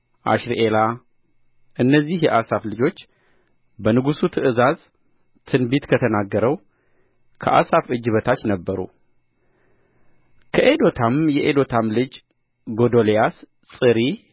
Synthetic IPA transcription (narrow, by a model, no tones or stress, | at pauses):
ʔa̰ʃɾiʔela | ʔɨnːəzːihjɛʔasaflɨd͡ʒo̞t͡ʃː | bənɨɡusut̪ʰɨʔɨzaz | t̪ʰɨnbit̪kʰət̪ʰənaɡːəɾəw | kʰə̰ʔa̰safɨd͡ʒːɨβət̪ʰat͡ʃːnəbːəɾṵ | kʰəʔed̪o̞t̪ʰamjɛʔed̪o̞t̪ʰamlɨd͡ʒ | ɡo̞d̪olejas | sʼɨɾi